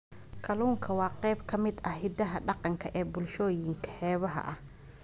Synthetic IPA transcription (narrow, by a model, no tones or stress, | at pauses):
kʰɐluːŋkʰɐwɑːqɛjbkʰɐmɪd̪ɐɦɪd̪ɐɦɐɖɑqɑŋkʰɐʔɛːbʊlʃɔːjɪŋkʰɐ̥hɛːβɐɦɐ̰ʔɐh